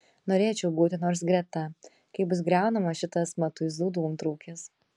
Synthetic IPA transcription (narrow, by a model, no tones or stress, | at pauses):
noːɾʲeːt͡ʃʲɛʊbuːt̪ʲɪnoːɾsɡɾʲɛt̪ɐ | kɐɪbʊs̬ɡɾʲæˑʊnɐmɐʃʲɪt̪ɐsmɐt̪ʊɪzd̪uːd̪ɐumt̪ɾɐʊkʲes